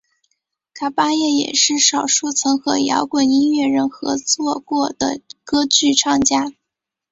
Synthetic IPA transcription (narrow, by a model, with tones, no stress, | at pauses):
kʰa˨˩pa˥jɛ˥˩jɛ̰˨˩ʂɻ̩˥˩ʂɑ˨˩ʊʂu˥˩t͡sʰɤ˧˥ŋxɤ˧˥jɑ̰˧˥ʊkwa˨˩ni˥nɥɛ˥˩ɻə˧˥˩nxɤ˧˥t͡swɔ˥˧kwɔ˥˩d̪̥ə̰˩kɤ˥t͡ɕy˥˧ʈ͡ʂʰɑ˥˩ŋt͡ɕja˥